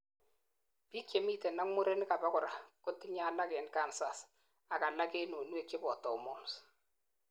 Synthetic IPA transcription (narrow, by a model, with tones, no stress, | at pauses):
b̥i˦kje˨miː˦te˨na˦ŋmo˦ɾe˦n˦ka˨ba˦kʊ˨ɾa˨ko˦tːɪ˦ɲa˦˨la˦ɡɛ˨nka˦˨nsa˨s | a˨ka˨la˦ke˦no˨nu˦e˦˨kɪ˦bɔ˨tɔ˨mɔ˦˨ms